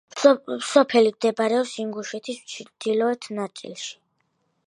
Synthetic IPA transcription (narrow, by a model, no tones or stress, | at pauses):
psɔpʰɛlimd̪ɛbaɾɛɔpsiŋɡuʃɛt̪ʰist͡ʃʰd̪̥ilɔɛt̪ʰnat̪sʼḭlˠʃi̥